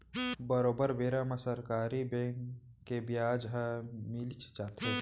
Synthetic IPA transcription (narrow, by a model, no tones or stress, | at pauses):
bəɾoːbəɾʋeːɾamɐsəɾkaːɾibẽːŋkː | ebjaːd͡ʒɦamilt͡ʃt͡ʃaːt̪e